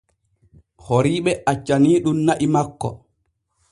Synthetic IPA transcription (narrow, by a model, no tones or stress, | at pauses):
hoɾiːɓɛat͡ʃːaniːɗumnaʔimakːɔ̰